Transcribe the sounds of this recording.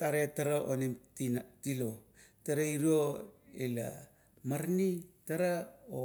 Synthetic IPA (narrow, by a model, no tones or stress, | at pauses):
taɾetaɾaʔonemtinatilotaɾaiɾoela̰ | maɾnitaɾao